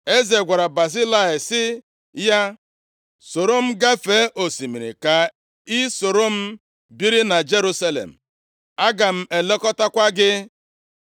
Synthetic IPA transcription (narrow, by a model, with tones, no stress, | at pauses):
e˦ze˨ɡʷa˨ɾa˨ba˨si˦la˦ɪ˨sɪ˦ | ja˦ | so˨ɾo˦m̩˦ɡa˦feː˨˦ʔo˨si˨mḭ˨ɾḭ˨ka˨ | i˦so˨ɾo˦m̩˦ | bi˦ɾi˦na˨d͡ʒe˦ɾu˦sa˦lḛ˨m̩˨ | a˦ɡa˨m̩˦e˨le˦kɔ˦ta˦kʷa˦ɡɪ˦